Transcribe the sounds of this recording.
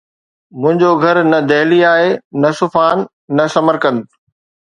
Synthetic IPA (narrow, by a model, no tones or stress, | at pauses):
mʊ̃ɦɪ̃ɲd͡ʑoɡʱɐɾnɐd̪eːliaːɦenɐsʊfaːnː | ɐsɐməɾkə̃nd̪